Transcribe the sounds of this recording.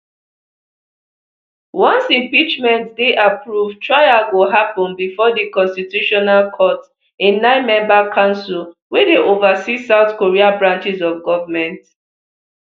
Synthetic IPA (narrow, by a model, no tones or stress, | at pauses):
wɔ̃nsĩmpit͡ʃmɛ̃ntdeʔapɹuvtɹaɪawuɦapɔ̃nbifɔdikɔ̃nstitjuʃɔnalkʰɔt | ɪ̃nnːãɪ̃nmɛ̃mbakʰãʊ̃nsulwɛdeʔovasisaʊθkoɹiabɹãnt͡ʃisɔfɡɔvamɛ̃nt